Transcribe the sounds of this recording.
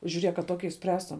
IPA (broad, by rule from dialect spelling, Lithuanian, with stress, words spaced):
ʒʲʊˈrʲiɛk ɐ ˈtoːkʲɪ ɪʃʲˈsʲpʲrʲæːstʊm